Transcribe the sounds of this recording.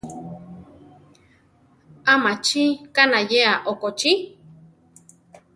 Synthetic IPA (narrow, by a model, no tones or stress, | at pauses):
amat͡ʃikanajeaʔokot͡ʃi